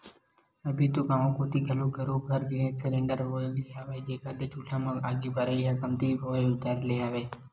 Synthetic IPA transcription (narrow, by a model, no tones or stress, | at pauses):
əbʱit̪okaːmõkot̪iɡʱəlõɡʱəɾũɡʱəɾʋiɾẽsɪɾẽɳɖəɾɦoleaːʋed͡ʒeːkalet͡ʃuʈʰãmãaɡiːbəɾəijakəmt̪iʋoeʋɪt̪aːɾleaːʋeː